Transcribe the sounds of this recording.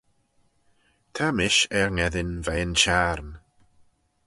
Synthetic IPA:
t̪ʰamɪʃɛɹŋɛðɪnvɛənt͡ʃaɾn

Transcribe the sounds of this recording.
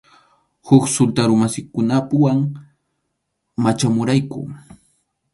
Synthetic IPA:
hʊksʊlt̪aɾʊmasɪkʊnapʊwaŋ | mat͡ʃamʊɾajkʊ̰

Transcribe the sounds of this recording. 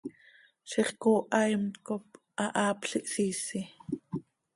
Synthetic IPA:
ʃiχkoːʔɑjmkop | ʔɑʔɑːpɬiʔsiːsi

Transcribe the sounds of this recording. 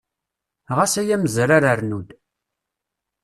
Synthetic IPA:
ʁasæjæməzɾaɾəɾnud̪

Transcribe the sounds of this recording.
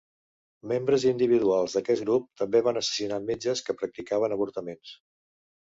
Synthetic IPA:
membɾəzind̪iβ̞iðualˠzðəkɛt̪ɡɾup̚t̪əmbeβ̞anəsə̥sinamed͡ʒəskəpɾək̚t̪ikaβ̞ənəβ̞uɾt̪əmens

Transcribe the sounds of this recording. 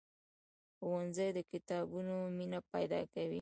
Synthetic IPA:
xwanzəjd̪əkɪt̪ɑbunominapajd̪ɑ̰kawi

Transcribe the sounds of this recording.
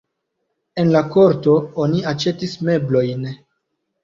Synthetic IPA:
e̞nlako̞ɾto̞o̞niat͡ʃe̞tisme̞blo̞jn

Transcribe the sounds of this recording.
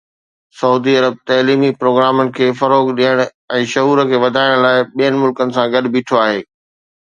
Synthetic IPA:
sɐuːd̪iɐɾəb̚t̪ɐliːmipɾoːɡɾaːmənɪ̆kʰeːfɐɾoːɡɗiːəɽ̃ | ɛ̃ːʃɐɦuːɾəkʰeːʋɐd̪ʱaːɪɽ̃laːɪɓijənɪ̆mʊlkənɪ̆sãɡɐɗbiːʈʰoaːɦeː

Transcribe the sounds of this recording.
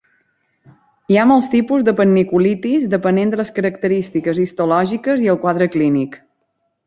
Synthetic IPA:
iamɔlˠst̪ipuzd̪əpənːikulit̪izd̪əpənend̪ələskəɾəkt̪əɾist̪ikəzist̪ulɔʒikəziəlˠkwaðɾəklinik

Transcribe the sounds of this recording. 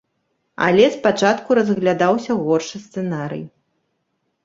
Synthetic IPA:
a̰lʲɛspat͡ʂat̪kuɾɐzɣlʲad̪awsʲɐɣɔrʂɨst̪sɛnaɾɨ̰j

